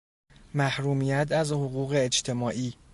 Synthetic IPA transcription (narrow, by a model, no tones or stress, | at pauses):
mæhɾuːmiːjæt̪ʰæzhoɣuːɣe̞ːt͡ʃt̪ʰe̞mɒːʔiː